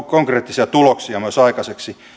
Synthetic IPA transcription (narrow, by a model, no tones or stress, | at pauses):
koŋkreːt̪ːisiɑt̪uloksiɑmyøsɑikɑseksi